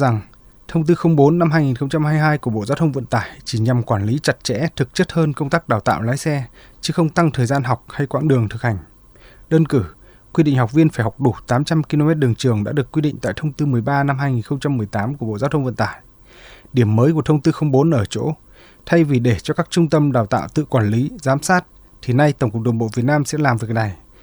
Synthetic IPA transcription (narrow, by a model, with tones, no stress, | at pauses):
za˨˩ŋ | t̪ʰə˧wŋ͡mt̪ɨ˧xə˧wŋ͡mɓo˨˦nːa˧mhɦaː˧jŋi˨˩nxə˧wŋ͡mt͡ɕa˧mhaː˧jɦaː˧jku˧˩əɓo̰˧˨zaː˨˦wt̪ʰə˧ŋ͡mvə̰˧˨nt̪aː˧˩jt͡ɕi˧˩ɲa˨˩mkwaː˧˩nli˨˦t͡ɕa˨˩t̚t͡ɕɛ̰˧˥t̪ʰɨ˨˩k̚t͡ɕə˦˥t̚həː˧nkə˧wŋ͡mt̪aː˦˥k̚ɗaː˨˩wt̪a̰ː˧˨wlaː˨˦jsɛ˧ | t͡ɕɨ˨˦xə˧wŋ͡mt̪a˧ŋt̪ʰəː˨˩jzaː˧nɦa˨˩wk͡p̚ha˧jkwa̰ː˧˥ŋɗɨ˨˩əŋt̪ʰɨ˨˩k̚ha˨˩jŋ̟ | ɗəː˧nkɨ˧˩ | kwi˧ɗḭ˧˨ŋɦa˨˩wk͡p̚vi˧ənfaː˧˩jha˨˩wk͡p̚ɗu˧˩t̪aː˨˦mt͡ɕa˧mki˧lo˧mɛ˦˥t̚ɗɨ˨˩əŋt͡ɕɨ˨˩əŋɗa̰ː˧˥ɗəkːwi˧ɗḭ˧˨ŋ̟t̪a̰ː˧˨jt̪ʰə˧wŋ͡mt̪ɨ˧mɨ˨˩əjɓaː˧na˧mhaː˧jŋi˨˩nxə˧wŋ͡mt͡ɕa˧mːɨ˨˩əjt̪aː˨˦mku˧˩ɓo̰˧˨zaː˧t̪ʰwŋ͡mvə̰˧˨nt̪aː˧˨j | ɗi˧˩əmːəː˨˦jku˧˩ət̪ʰə˧ŋ͡mt̪ɨ˧xə˧wŋ͡mɓo˨˦nʔəː˧˩t͡ɕo̰˧˥ | t̪ʰa˧jvi˨˩ɗe˧˩t͡ɕɔ˧kaː˦˥k̚t͡ɕʊ˧ŋ͡mt̪ə˧mɗaː˨˩wt̪a̰ː˧˨wt̪ɨ̰˧˨kwaː˧˩nli˨˦zaː˨˦msaː˦˥t̚ | t̪ʰi˨˩na˧jt̪ə˧˩ŋ͡mkʊ˨˩k̚ɗə˨˩ŋɓo̰˧˨vi˨˩ət̚naː˧msɛ̰˧˥laː˨˩mvi˨ə˩k̚na˨˩j